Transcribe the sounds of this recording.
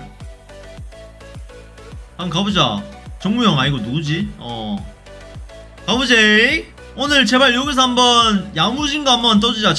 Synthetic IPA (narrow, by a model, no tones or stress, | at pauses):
aŋkabud͡ʑat͡ɕʌŋmujʌŋaɲiɡonud͡ʑiʌ | kabud͡ʑe | onɯɭt͡ɕe̞maɭjoɡis̬ʰʌɦambʌnjamud͡ʑʰiŋɡaɦambʌnt̬͈ʌd͡ʑud͡ʑat͡ɕ